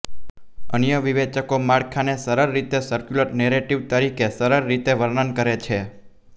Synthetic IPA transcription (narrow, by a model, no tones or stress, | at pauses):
ənjəʋiʋet͡ʃəkomaɽkʰanesəɾəɾːit̪esəɾkjuləɾneɾeʈiʋt̪əɾikesəɾəɾːit̪eʋəɾnənkəɾet͡ʃʰe